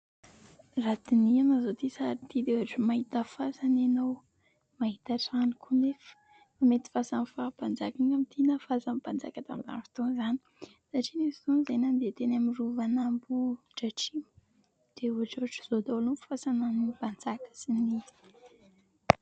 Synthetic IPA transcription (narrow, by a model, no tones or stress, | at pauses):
rat̪inianazot̪isaɾit̪id̪euaʈ͡ʂəmaɦit̪əfasananow | maɦit̪aʈ͡ʂanikʰunefə̥ | mamet̪i̥fasanifab̥and͡zakaŋamit̪inafazamb̥and͡za̰kat̪amiza̰nifi̥t̪onzani̥ | saʈ͡ʂinefi̥zonizenand̪et̪enamiruvanambu | ʈ͡ʂaʈ͡ʂim | d̥euɦaʈ͡ʂuɦaʈ͡ʂə̥z̥od̪olumfu̥fasananib̥and͡zakə̥sinizi̥